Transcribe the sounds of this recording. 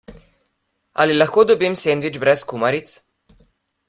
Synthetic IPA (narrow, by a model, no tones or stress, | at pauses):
a̰lilaxkoːd̪ɔbimsend̪ʋid͡ʒbɾɛskumaɾit̪s